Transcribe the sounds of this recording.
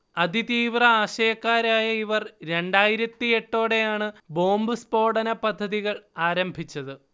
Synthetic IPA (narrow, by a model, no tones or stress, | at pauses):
ɐðit̪iːʋrɐaːɕɐjɐkːaːɾaːjɐiʋɐrɾe̞ɳɖaːjiɾɐt̪ːie̞ʈːo̞ːɽe̞jaːɳɨbo̞ːmbɨspo̞ːɽɐnɐpɐd̪ʱːɐðiɣɐɭaːɾɐmbʱit͡ɕːɐðɨ